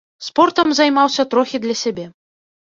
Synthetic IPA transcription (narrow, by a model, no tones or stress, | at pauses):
spɔrt̪ɐmzajmawsʲɐt̪ɾɔxʲid̪lʲɐsʲabʲɛ